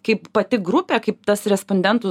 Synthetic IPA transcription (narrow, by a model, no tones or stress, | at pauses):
kɐɪppɐt̪ʲɪɡɾʊpʲɛkɐɪp̚t̪ɐsɾʲɛsponʲd̪ʲɛnt̪ʊ